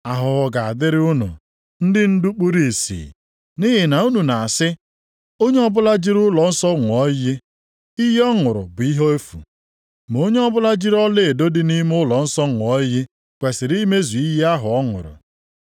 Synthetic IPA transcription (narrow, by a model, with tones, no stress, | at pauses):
a˨ɦʊ˨ɣɔ˨ɡa˨a˨dɪ˦ɾɪ˦ʊ˦nʊ̰˨ | n̩˦dɪ˦n̩˦du˦k͡pu˦ɾi˦˨sḭː˨ | ni˦ɦɪ˨na˨u˦nu˨na˨a˨sɪ˦ | o˦ɲe˦ɔ˦bʊ˦la˦d͡ʒi˦ɾʊ˦lɔ˨n̩˦sɔ˦ŋʷ˨ɔ˦jɪ˦ | i˦je˦ɔ˦ŋʊ˨ɾʊ̰˨bʊ˨i˦ɦo˦e˦fṵ˨ | m˨o˦ɲe˦ɔ˦bʊ˦la˦d͡ʒi˦ɾɔ˦le˦e˨do˦dɪ˦ni˦m˦ʊ˦lɔ˨n̩˦sɔ˦ŋʷ˨ɔ˦jɪ˦ | kʷe˨sɪ˨ɾi˦me˦zu˨i˦ɦe˦a˦ɦʊ˨ɔ˦ŋʊ̰˨ɾʊ̰˨